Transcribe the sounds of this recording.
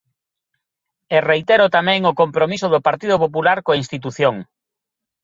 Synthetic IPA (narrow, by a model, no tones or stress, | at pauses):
erejt̪ɛɾʊt̪amɛ̃ŋʊkompɾomisʊðʊpaɾt̪iðʊpop̬ulaɾkoainst̪it̪̬uθjoŋ